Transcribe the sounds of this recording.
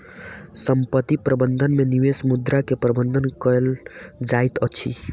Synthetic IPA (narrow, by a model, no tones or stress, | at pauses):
səmpət̪ipɾəbənd̪ʱənmeniʋesmud̪ɾakepɾəbənd̪ʱənkəeld͡ʒait̪ət͡ʃʰḭ